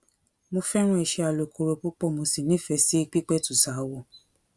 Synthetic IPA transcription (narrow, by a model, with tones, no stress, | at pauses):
mo˧fɛ˦ɾ̃ũ˦ɛ˨ʃɛ˧a˨lo˨kʰo˨ɾo˧ku˦k͡pɔ˦˨mo˧si˦˨nĩ˨˦fɛ˨˧si˦i˧k͡pi˦k͡pɛ˦tu˨sa˨˦wɔ˦˨